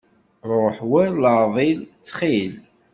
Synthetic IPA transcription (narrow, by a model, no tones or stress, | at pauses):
ɾˤoħwæɾləðˤilt͡sːχil